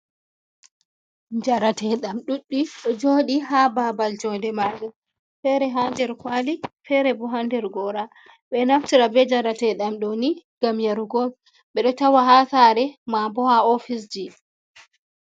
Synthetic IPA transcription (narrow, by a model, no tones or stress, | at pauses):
d͡ʒaɾatɛɗamɗuɗːiɗɔd͡ʒoːɗiɦababald͡ʒɔndɛmaɡɛ | fɛɾɛɦandɛɾkwalifɛɾɛbɔɦandɛɾɡɔɾa | ɓɛnaftiɾabɛd͡ʒaɾatɛɗamɗɔniɡ̥amjaɾuɡɔl | ɓɛɗɔtawaɦasaːɾɛmambɔhaofisd͡ʒi